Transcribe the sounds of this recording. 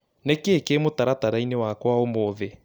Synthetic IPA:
nekeːkemotaɾataɾainewakwaomoːðe

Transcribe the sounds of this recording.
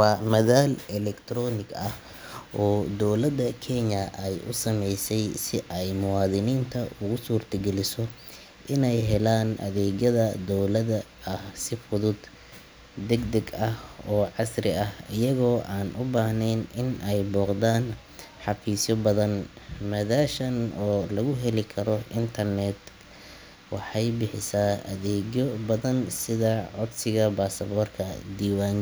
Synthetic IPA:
wɑːmɐðaːlɛlɛkt̪ʰɾɔːnɪɡɐh | ʔɔːd̪ɔwlɐd̪ɐkʰɛɲɐʔɛjʔʊ̰sɐmɛjsɛjsɪʔɛjmʊwɑːðɪniːnt̪ʰɐʔʊɣʊsuːrt̪ʰɐɡɛlɪsɔ | ʔɪnɛjɦɛlaːnʔɐ̰ðɛːɣɐðɐd̪ɔwlɐðɐː | hsɪfʊðʊd̪ | d̪ɛɡd̪ɛɡɐhɔːʕɑsrɪɐhɪjɐɣɔːʔaːnʔʊbaːhnɛjnɪnɛjbɔːqðaːn | ħɑfiːsjɔbɐðɐnmɐðaːʃɐnɔːlɐɣʊɦɛlɪkʰɐɾɔɪnt̪ʰɐrnɛd̪ | wɑħɑjbɪħɪsaʔɐ̰ðɛːɡjɔbɐðɐnsɪðɐʕɔd̪sɪɣɐbaːsɐβɔːrkʰɐd̪iːwaːn

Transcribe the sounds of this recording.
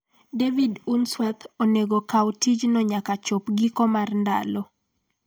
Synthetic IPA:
devidunswat̪oneɡokawtid͡ʒnɔɲakat͡ʃopɡikɔmarnda̰lɔ

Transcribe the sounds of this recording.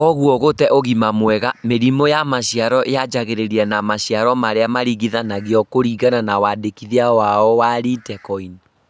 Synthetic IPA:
kɔɣuɔɣotɛʔoɣimamwɛɣameɾimojamaɕijaɾɔʔead͡ʒaɣeɾeɾiɛnamaɕiaɾɔmaɾeamaɾiɣiðanaɣeɔkoɾiːɣananawaːdekiðiawaɔwaːɾitɛkɔini

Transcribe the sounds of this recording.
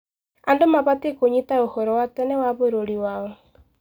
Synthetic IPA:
andomaβatekoɲitaohɔɾɔwatɛnɛwaβoɾoɾiwaɔ

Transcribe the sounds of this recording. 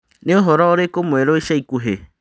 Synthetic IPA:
neoɦɔɾɔoɾekomweɾoiʃaikuɦe

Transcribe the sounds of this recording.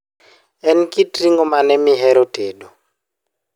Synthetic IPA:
ɛnkitriŋɔmanɛmiɦɛɾotedo

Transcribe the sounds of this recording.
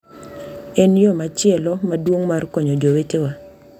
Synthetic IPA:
enjomat͡ʃɪɛlɔmadwoŋmarkɔɲɔd͡ʒowetewa

